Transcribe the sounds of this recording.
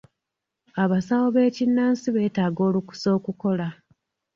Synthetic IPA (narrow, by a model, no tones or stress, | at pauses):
aβasawoβe̞ːcinːaːnsiβe̞ːtaːɡo̞ːluku̥so̞ːkuko̞la